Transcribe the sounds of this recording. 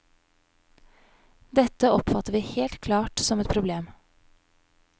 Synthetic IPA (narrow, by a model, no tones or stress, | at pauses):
d̪ɛt̪əɔpfɑt̪əʋiːheːlt̪kʰlɑːʈsɔmɛt̪pʰɾʊbleːm